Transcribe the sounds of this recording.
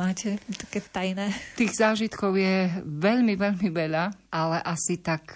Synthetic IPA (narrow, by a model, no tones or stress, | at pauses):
aːcɛt̪ḁkɛːt̪ajnɛːt̪iːɣzaːʒit̪kɔʊjɛʋɛʎmiʋɛʎmiʋɛʎaʔalɛʔasit̪ak